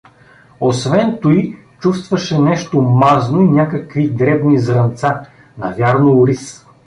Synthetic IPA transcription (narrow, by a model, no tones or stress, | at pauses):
osvɛnt̪oj | t͡ʃust̪vɐʃɛnɛʃt̪omaznoinʲakəkvid̪ɾɛbnizɾɐnt̪sa | nɐvʲjaɾnʊʊɾis